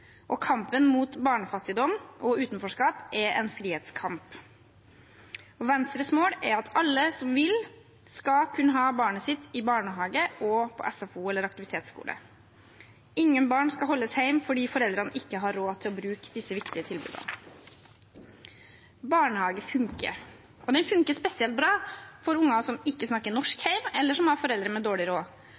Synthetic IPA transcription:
ʔɔkʰɑmpənmuːt̪bɑːɳəfɑt̪ːɪd̪ɔmʔɔʉːt̪nfɔʂkɑːpɛɾɛnfɾiːeːt̪skʰɑmp | ɔʋɛnst̪ɾəsmoːɽɛɾɑt̪ʰɑlːəsɔmʋɪl | skɑkʰʉnːəɦɑːbɑːɳəsɪt̪ːɪbɑːɳəɦɑːɡəʔɔpʰɔ̰ʔɛsɑfuːɛlːəɾɑkt̪ɪʋɪt̪ʰeːt̪skṵːlə̰ | ɪŋːənbɑːɳskɑɦɔlːəsheɪmfɔɖiːfɔɾɛld̪ɾənəʔɪkːəɦɑɾːoːt̪ʰɪlɔbɾʉːkd̪ɪsəʋɪkt̪ɪət̪ʰɪlbʉ̰d̪ə̰n | bɑːɳəhɑːɡəfʉŋkə̰ɾ | ʔɔd̪ɛnfʉŋkəspɛsɪɛlt̪̚bɾɑːfɔɾʊŋːɑsɔmɪkːəsnɑkːənɔʂkhæɪmɛlːəʂɔmhɑɾfɔɾɛld̪ɾəmɛd̪oːɭɪɾoː

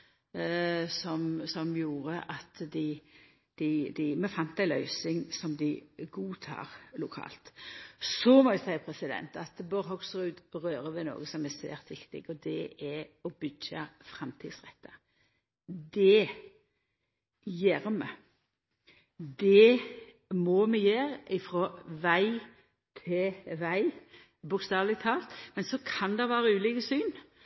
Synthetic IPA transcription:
sɔmsɔmjuːɾəʔɑt̪d̪ɪ | d̪̥ɪd̪ɪmɛfɑnt̪æɪlœʏsɪŋsɔmd̪ɪɡuːt̪ʰɑ̰ːʁlʊkʰɑ̰ːlt̪sɔmɔɪsæɪəpʰɾɛsɪd̪ɛ̰nt̪ɑt̪bɔɾɦɔɡsʁʉd̪ʁøːɾəʋɪno̰ːɡəsɔmæsæ̰ːɾt̪ʋɪkt̪ɪɡɔd̪ɛɛɔbʏdɑfɾɛmt̪ʰiːd̪sʁɛt̪ːɑ | d̪ɛ | jæːɾmɛ | d̪ɛ | mɔmɛjeːɾɪfɾɔʋæɪ | t̪ʰɪʋæɪ | bʊkst̪ɑːʋlɪt̪ʰɑːlt̪mɛnsɔkʰɑnd̪ɛʋæːɾəʉːliːkəsyːn

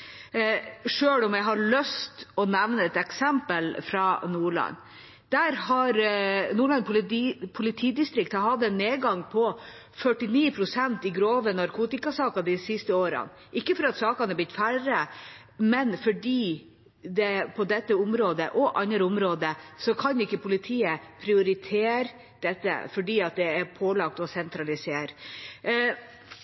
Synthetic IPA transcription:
ʂøːlɔmjæɪɦɑɾɭœst̪ɔnæʋnəɛt̪ɛksɛmpəlfɾɑnuːɭɑ̰n | d̪̥æɾhɑɾnuːɭɑnpʰʊlːpʰʊlɪt̪ʰiːd̪ɪst̪ɾɪk̚t̪hɑɦɑd̪ɛnːeːɡɑŋpʰɔ | fœʈːɪniːpʰɾʊsɛnt̪ɪɡɾoːʋənɑɾkʰuːt̪ɪkɑsɑːkɑd̪ɪsɪst̪əoːɾə̰n | ʔɪkːəfɔɾɑt̪sɑːkɑnɛblɪt̪færə | mɛnfɔɖiː | d̪ɛpʰɔd̪ɛt̪ːəʊmɾoːd̪ə̰ʔɔʔɑnɾəʊmɾoːd̪əsɔkʰɑnʊɪkːəpʰʊlɪt̪ʰiːəpʰɾɪʊɾɪt̪ʰeːɾ | d̪̥ɛt̪ːə̰fɔɖiːɑt̪̚d̪ɛæɾpʰoːlɑk̚t̪ɔsɛnt̪ʰɾɑlɪseːɾ

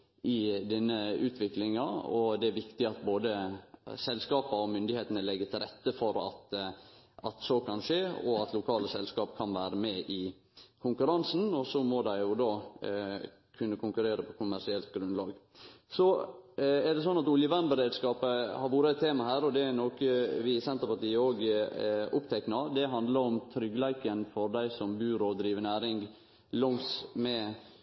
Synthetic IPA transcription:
ʔɪd̪ɛnːəʉːt̪ʰʋɪklɪŋɑɔd̪ɛæɾʋɪkt̪ɪɑt̪boːd̪əsɛlskɑːpɑɔmʏnd̪ɪheːt̪ənəlɛɡːət̪ʰɪlɾɛt̪ːəfɔɾɑ̰t̪ | ɑt̪sɔkʰɑnʂeːɔɑt̪ʰlʊkʰɑːləsɛlskɑːpkʰɑnʋæːɾəmɛːʔɪ | kʰʊŋkʉɾɑnsn̩ɔsɔmɔd̪æɪjʊd̪ɑː | kʰʉnːəkʰʊŋkʉɾeːɾəpʰɔkʰʊmæʂɪɛlt̪̚ɡɾʉnlɑ̰ːɡ | sɔ | ɛɖ̪ɛs̬ɔnːɑt̪ʊljəʋænbəɾeːd̪skɑːpəhɑɾʋuːɾəɛt̪ʰːeːmɑhæːɾɔd̪ɛnoːkəʋɪsɛnt̪əɾpɑʈ̪iːəoːɡ | ʊpt̪ʰɛknɑɾd̪ɛɦɑnd̪ləɾɔmt̪ʰɾʏɡlæɪkənfɔɾd̪æɪsɔmbʉːɾɔːd̪ɾiːʋənæːɾɪŋɡ | lɔŋsmɛ

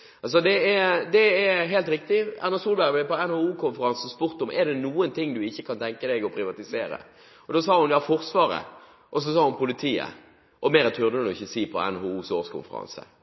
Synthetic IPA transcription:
ɑlsɔd̪ɛɛd̪ɛɛɦeːlt̪ɾɪk̚t̪ɪɑʁnɑsuːlbæɾɡblɛpɔɛnhoːuːkʰʊnfəɾɑnsn̩spʊɾt̪ʊmʔɛd̪ɛnuːənt̪ʰɪŋːd̪ʉɪçːəkʰɑnt̪ʰɛŋkəd̪ɛɡɔpʰɾɪʋɑt̪ɪseːɾə̰ | ɔd̪oːs̬ɑːhʊnjɑːfɔɾsʋɑːɾə̰ | ʔɔs̬ɔsɑːhʊnpʰʊlɪt̪ʰiːə̰ | ʔɔmɛːɾət̪ʰʉʁd̪ənʊɪçːəsiːpʰɔ̰ɛ̰nhoːuːsoːskʰʊ̰nfə̰ɾɑ̰nsə̰

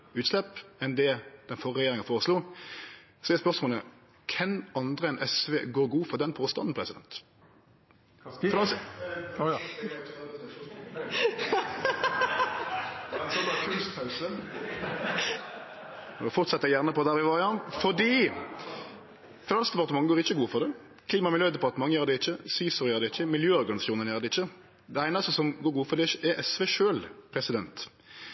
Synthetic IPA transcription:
ʉːt̪slɛpɛnd̪ɛd̪̥ɛnfɔʁʁɛjeːɾʁɪŋɑfoːʁəsluː | sɔɛspœʁsmoːlə | kʰɛnɑnd̪ʁəɛnʔɛsʋeːɡoːʁɡuːfɔʁd̪ɛnpʰoːst̪ɑnn̩pʰʁɛsɪd̪ɛ̰nt̪ | fɾɑs | k̪ʰʉspʰɑʉsə | ɔfɔʁt̪sɛt̪ːəɛjæʁnəpɔd̪æːɾʋɪʋɑːʁɪɑnfɔd̪iː | fnɑnskd̪pɑʁt̪əmɑŋɡoːʁɪçːəɡuːəfɔʁd̪ɛ | kʰliːmɑmɪljøːd̪ɛpɑt̪əmɑŋəjøːɾd̪ɛɪçːəsiːsʊɾjøːɾd̪ɛɪçːəmɪljøːɔɾɡɑnɪsɑuːnənjæːʁd̪ɛɪçːə | d̪ɛæɪnɑst̪əsɔmɡoːɾɡuːəfɔʁd̪ɛɛʔɛsʋɛʃøːlpʰɾɛsɪd̪ɛnt̪

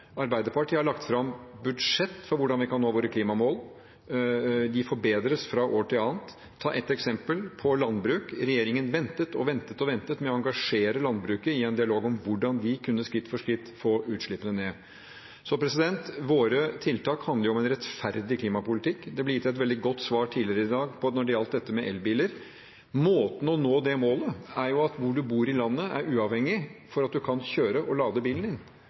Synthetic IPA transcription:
ɑɾbæɪd̪əɾpɑʈʰiːhɑɭɑkt̪fɾɑmbʉd̪ʂɛt̪ːfɔɾʋʊɖɑnʋɪkɑnnoːʋoːɾəkʰliːmɑmoːl | d̪ɪfɔɾbeːd̪ɾəsfɾɑʔoːʈʰɪlɑːnt̪ʰː | ɑ̰ːʔɛt̪ːɛksɛmpəlpʰɔlɑnd̪bɾʉːkɾɛjeːɾɪŋənʋɛnt̪ət̪ʰɔʋɛnt̪ət̪ɔʋɛnt̪ət̪mɛɔɑŋɡɑʂeːɾəlɑnd̪bɾʉːkəɪɛnd̪ɪɑloːɡɔmʋʊɖɑnd̪ɪkʰʉnːəskɾɪt̪ːfɔʂkɾɪt̪ːfɔɾʉːt̪ʂɭɪpːənəneː | sɔpɾɛsɪd̪ɛnt̪ʋoːɾət̪ʰɪlt̪ɑːkhɑnd̪əjʊɔmɛnɾɛt̪fæɾd̪ɪkʰliːmɑpʊlɪt̪ʰɪkːd̪ɛblɛjɪt̪ːɛt̪̬ʋɛld̪ɪɡɔt̪ːsʋɑːʈʰiːlɪəɾəɪd̪ɑːɡpʰɔnɔɖɛɾɑlt̪̚d̪ɛt̪ːəmɛʔɛlbiːləɾ | moːt̪n̩ɔnoːd̪ɛmoːləæɾjʊɑt̪ʋʊɖʉbuːɾɪlɑnːəæɾʉːɑʋhɛŋːɪfɔɾɑt̪̚d̪ʉkʰɑnçøːɾəʔɔlɑːd̪əbiːln̩d̪ɪn

